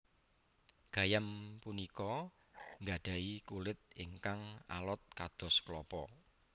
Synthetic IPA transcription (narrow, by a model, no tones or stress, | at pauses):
ɡ̥a̤jampunikɔ | ŋɡaɖ̥a̤ikulɪt̪̚iŋkaŋa̰lɔt̪̚kad̪̥ɔ̤sklɔpɔ